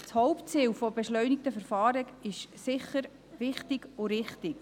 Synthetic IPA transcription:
shɔwpt͡siːwfɔbɛʃlœɥnɪk̚t̪əfəɾfɑːɾiɡɪʃsɪχəɾ | ʋɪχtɪɡʊɾɪχtɪk

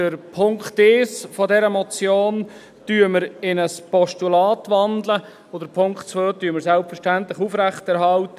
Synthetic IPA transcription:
d̥əɾpʰʊŋkt̪ɪːsfɔdɛɾəmɔt͡sjoːn | tyːəməɾɪnəspɔʃtulɑːtʋɑndlə | od̥əɾpʰʊŋktt͡sʋøːtyːəməɾsɛlpfəʃtæntləχufɾæχtɛɾɦɑltə

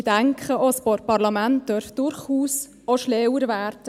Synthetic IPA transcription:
d̥æŋkχəʔospɔpɑɾlɑmænt̚d̥œɾfd̥ʊɾχuːs | oʃlɛwəɾvæːɾd

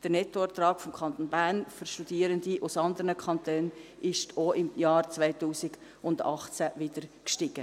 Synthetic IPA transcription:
d̥əɾnɛtːoɛt̪ɾɑːkfɔmkʰɑnt̪oːnbæɾnfʏʃtud̥iːəɾəndiʔusɑnd̪əɾnəkʰχɑnt̪øːnɪʃtʰoɪmjɑːɾt͡svaɪtuːsɪɡ̥ | ʊndɑ̰χt͡sæʋɪdəɾkʃtɪɡ̥ə

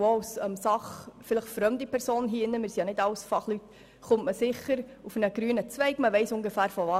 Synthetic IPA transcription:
ɑsɛmsɑχfɪləχfɾœmdipɛɾsoːnɦiːɪnːəmɪɾsijɑnɪdɑʊsfɑχlyt | χʊntməsɪχəɾ | ufənəɡ̥ɾyːnət͡svɛɪkməʋɛɪsʊŋɡefæːɾfɔvɑ

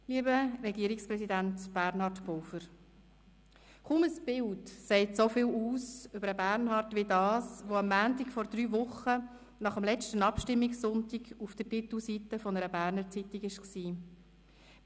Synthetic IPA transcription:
liːəbəɾɛɡiəɾikspʁɛsidæntb̥æɾnhɑɾtbɔːfəɾ | kuməsb̥ɪltsɛɪtsofɪluːsʏbəɾəbæɾnhɑɾtʋɪdɑːsʋoɑmːæːntɪkfɔɾd̥̪ɾyːvʊχə | nɑχəmlɛt͡ʃtənɑpʃtɪmːiksʊntiɡufd̥ətɪt̪l̩sitəfɔnəɾəbæɾnəɾt͡sitiɡɪʃksiː

